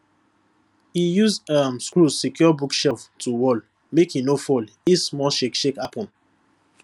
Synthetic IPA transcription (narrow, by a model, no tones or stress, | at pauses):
hijuzamskusikjɔbukʃɛftʰuwɔl | mekhinofɔlismɔʃekʃekapɔ̃n